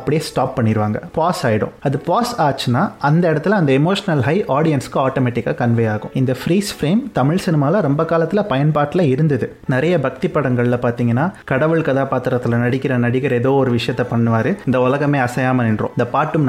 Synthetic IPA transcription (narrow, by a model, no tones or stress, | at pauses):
ɐpːɐɽɪjeːsʈaːpːɐɳːɪɾɯʋaːŋɡɐ̰paːsaːjɪɽʊ̰̃ɐðɯpaːsaːt͡ʃːɯnːaːɐnd̪ɐɛɽɐt̪ːɪlɐnd̪ɐɛmoːʂɐnɐlɦɐɪʔaːɽɪjɐnskːɯaːʈoːmɛːʈːɪkːaːkɐɳʋɛjaːɣʊ̰̃ɪnd̪ɐfɾiːsfɾeːmt̪ɐmɪɭsɪnɪmaːlɐɾɔmbɐkaːlɐt̪ːɪlɐpɐjɐnpaːʈɪlɐɪɾɯnd̪ɐðɯ | nɪɾɐjɐbɐk̚t̪ipːɐɽɐŋɡɐɭɪlɐpaːɾt̪iːŋɡɐnːaːkɐɽɐʋɯɭkɐðaːpaːt̪ːɪɾɐt̪ːɯlɐnɐɽɪkːɪɾɐnɐɽɪkːɐɾɛðoːɔɾɯʋɪʂɐjɐt̪ːɐpɐɳːɯʋaːɾɯɪnd̪ɐʊlɐɣɐmeːɐsɐjaːmɐnɪnɾõ̰ːɪnd̪ɐpaːʈːɯm